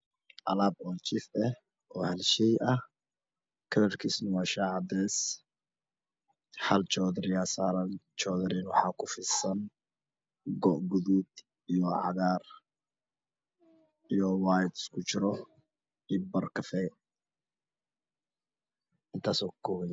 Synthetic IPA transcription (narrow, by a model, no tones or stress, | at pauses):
ʔɑ̰laːb̚ɔːt͡ʃɪfɛ | ʔɔːhɐlʃɛjʔɐh | kʰɐlɐrkʰiːsnɐwɑːʃaːʕɑd̪ɛːs | ħɐlt͡ʃɔːðɾɪjaːsaːɾɐnt͡ʃɔːðɐɾinwɑħɑːkʰʊfɪsɐn | ɡɔʔɡʊðuːd̪ | ijɔʕɑ̰ðaːr | ijɔwaːjd̪skʰʊt͡ʃɪɾɔ | ibɐrkʰɐfɛː | ʔɪnt̪ʰaːsɔːkʊ̥kʰɔːwɛn